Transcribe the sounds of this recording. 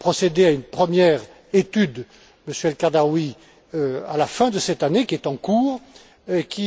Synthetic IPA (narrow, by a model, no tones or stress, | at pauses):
pχɔsed̪eaynpχəmjɛʁ | et̪yd̪ | məsjɛlkaʁd̪aʁwi | a̰lafɛ̃d̪əsɛt̪anekʲiɛt̪ɑ̃kuːʁ | ekʲi